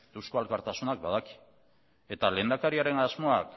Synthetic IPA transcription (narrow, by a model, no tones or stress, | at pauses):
d̪uskoalkaɾt̪asunak̚bað̞aki̥ | e̞t̪ale̞nd̪akaɾiaɾe̞nazmo̞ak